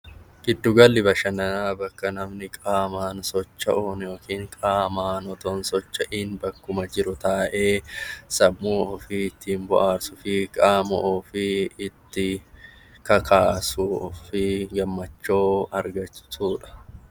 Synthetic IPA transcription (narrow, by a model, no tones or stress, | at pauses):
ɡ̥ɪd̪ːʊɡɐlːɪbɐʃɐnɐnaːbɐkːɐnɐmnɪkʼaːmaːnsɔt͡ʃːɐʔoːnjoːkiːŋkʼaːmaːnɔt̪onsɔt͡ʃːɐʔɪnbɐkːʊmɐd͡ʒɪɾʊt̪aːʔeːsɐbːuːɔfɪɪt̪ːiːnbʊ̰ʔaːɾsʊfɪkʼaːmɐʔɔfɪɪt̪ːɪ | kɐkʰaːsuːfɪɡɐmːɐt͡ʃːoːɐɾɡɐt͡ʃːɪ̥suːᶑɐ̥